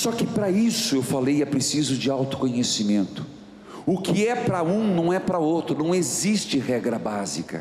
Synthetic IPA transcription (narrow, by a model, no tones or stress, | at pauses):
sɔkɪpɾɐisʊewfalejɛpɾesizʊd͡ʒɪawt̪ʊ̥kõɲesimẽnt̪ʊ̥ | ʊkɪɛpɾɐũnɐ̃w̃ɛpɾɐowt̪ɾʊnɐ̃w̃ezist͡ʃɪɦɛɡɾɐbazikɐ̰